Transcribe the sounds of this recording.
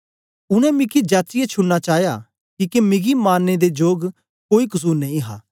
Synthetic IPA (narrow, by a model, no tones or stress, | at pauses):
ʊñɛ̃mɪkid͡ʒaːt͡ʃɪjet͡ʃʰʊnnat͡ʃaːɦja̰ | kiːkemɪɡimaːnːed̪ed͡ʒoːɡ | koːikʊs̬uːɾnɐĩɦa̰ː